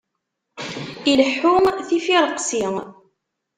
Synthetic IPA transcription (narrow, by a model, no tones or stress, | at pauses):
iləħːʊŋθifiɾˤəqsiŋ